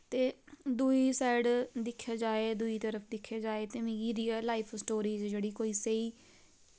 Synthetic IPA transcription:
t̪eːd̪uiːsɛːɽd̪ɪkʰːjaːd͡ʒaːeːd̪ʊiːt̪əɾəpʰd̪ɪkʰːjaːd͡ʒaːeːt̪eːmɪ̃ɡiːɾiːaːlaːɪpʰsʈoːɾiːd͡ʒd͡ʒeːɽiːkoːiːseiː

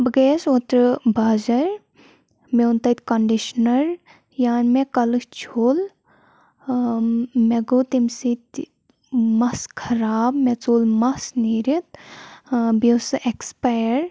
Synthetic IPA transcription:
bɡeːsot̪ɾɨbaːzɐɾ | meunt̪ɐt̪ʲkɐɳɖiʃnɐɾ | jaːnmekɐlɨkt͡ʃʰoːl | meɡoːt̪imsit̪ | mɐskʰɐɾaːb̚met͡soːlmɐsniːɾit̪ | biwsʔekspajɾ

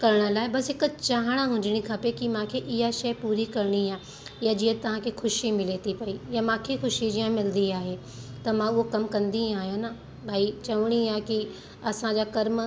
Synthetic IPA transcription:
kɐɾɽ̃ə̆laːɦɪbɐsɦɪkət͡ɕaːɦɽ̃aɦʊ̃ɲd͡ʑɪɽ̃ikʰaːpekimãːkʰeʔɪɦaʃɐpuːɾikɐɾɽ̃iaː | jad͡ʑiɦə̃t̪ɐʋ̤ãkʰexʊʃimɪlet̪ʰipɐijamãːkʰexʊʃid͡ʑiːãmɪld̪iaːɦe | t̪ɐmãʊɦokɐmkɐ̃nd̪ĩaːɦijõna | bʱaːit͡ɕɐʋɽ̃iaːki | ɐsãd͡ʑaːkɐɾm

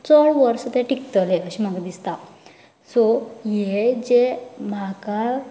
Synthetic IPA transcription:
t͡sɔɭʋəɾst̪ẽʈikt̪əleəɕimaɡd̪ist̪a | sojed͡ʑemaka

